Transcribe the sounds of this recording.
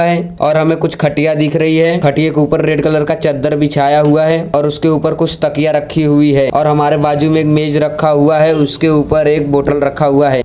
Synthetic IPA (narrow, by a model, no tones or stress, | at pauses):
ɦɛːɔ̰ːɾɦɐmẽkʊt͡ʃʰkʰɐʈijad̪ikʰɾɐɦiɦɛkʰɐʈiekuːpəɾːeːɖkɐləɾkat͡ʃɐd̪ːəɾbʱɪt͡ʃʰaːjaɦuaɦɛɔːɾʊskeuːpəɾkʊt͡ʃʰt̪ɐkijaɾɐkʰːiɦʊiɦɛːɔːɾɦɐmaːɾebaːd͡ʒumẽːkmeːd͡ʒɾɐkʰːaɦuaɦɛʊskeuːpəɾeːk̚boːʈəlɾɐkʰːaɦuaɦɛː